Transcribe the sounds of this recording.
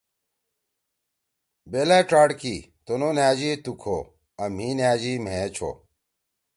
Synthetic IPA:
belaːʈ͡ʂaːɽki | t̪ononjaːd͡ʑit̪ukʰo̰ | ɐm̤iːnjaːd͡ʑim̤ẽːt͡ɕʰo̰

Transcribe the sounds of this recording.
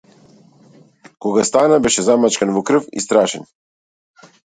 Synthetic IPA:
kɔɡast̪anabɛʃɛzamat͡ʃkanvɔkɾ̩fḭst̪ɾaʃɛn

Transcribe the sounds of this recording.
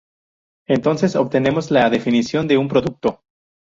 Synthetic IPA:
e̞nt̪o̞nse̞so̞β̚t̪e̞ne̞mo̞zlaðefinisjo̞nd̪e̞umpɾo̞ðuk̚t̪o

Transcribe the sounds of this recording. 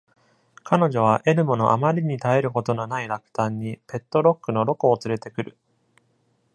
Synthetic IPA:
kano̞ʑo̞β̞aʔe̞ɾɯ̟mo̞no̞̰ʔamaɾʲiɲ̟it̪ae̞ɾɯ̟ko̞t̪o̞nonaiɾakɯ̥t̪ãɲ̟ːipe̞t̪ːo̞ɾo̞kːɯ̟no̞ɾo̞koːt͡sɨɾe̞t̪e̞kɯ̟ɾɯ̟

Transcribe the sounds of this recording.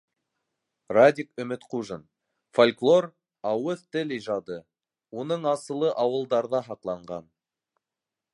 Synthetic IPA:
rad̪ʲikɵ̆mɘt̪quʒən | folʲklˠor | ɑwɤðt̪ɘlijʒɑd̪ɤ | unɤɴɑsɤ̆lˠɤʔɑwɤ̆lˠd̪ɑɾðɑɦɑqlˠɑɴɢɑn

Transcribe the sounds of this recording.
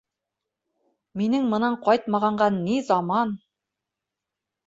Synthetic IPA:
minɘŋmɤ̆nɑɴqɒjt̪̚mɑʁɑɴɢɑnːizɑmɑn

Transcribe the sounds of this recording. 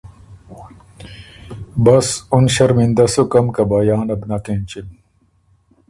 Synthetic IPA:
bɐsunɕɐɾmind̪ɐsukɐmkɐbɐjaːnɐbnɐkent͡ɕin

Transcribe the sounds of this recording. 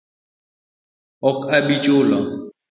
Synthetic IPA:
ɔkaɓit͡ʃʼolɔ

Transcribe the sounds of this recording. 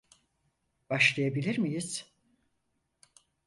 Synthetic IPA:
baʃlˠajabilʲiɾmijiz̥

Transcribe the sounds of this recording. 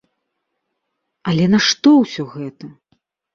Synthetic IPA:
ɐlʲɛnɐʂt̪ɔwsʲɔɣɛt̪ɐ

